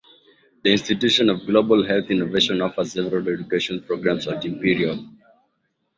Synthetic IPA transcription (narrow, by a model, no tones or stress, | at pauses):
d̪əĩnstitjuʃɔ̃nɔvɡlobəlɦɛlθĩnoveʃɔ̃nɔfəzsɛvɛɹalɛd͡ʒukeʃɔ̃npɹoɡɹãmsɔtĩmpiɹiɔl